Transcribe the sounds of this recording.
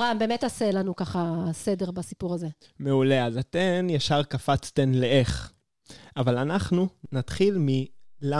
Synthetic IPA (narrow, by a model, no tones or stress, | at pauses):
ʁambeːmetaselanukaχasede̞ʁbasipuʁaze̞ | me̞ule̞azat̪enjaʃaʁkafat͡st̪enleeχ | avalanaχnunat̪χilmila